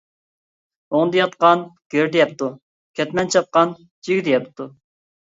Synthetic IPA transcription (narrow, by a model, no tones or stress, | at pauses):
oŋd̪ɨjɑt̪qɑnɡ̥ʲøɾd̪ɪjɛp̚t̪ʰu | kʲʰɛt̪mɛnt͡ʃʰɑp̪̚qɑn | d͡ʒiɡʲid̪ijɛpt̪ʰu